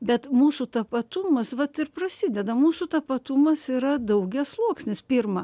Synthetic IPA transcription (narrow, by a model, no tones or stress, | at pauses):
bʲɛt̪muːsut̪ɐpɐt̪ʊmɐsʋɐt̪ɪrprɐsʲid̪ʲɛd̪ɐmuːsut̪ɐpɐt̪ʊmɐsiɾɐd̪ɐʊɡʲɛslˠuɔksʲnʲɪspʲirmɐ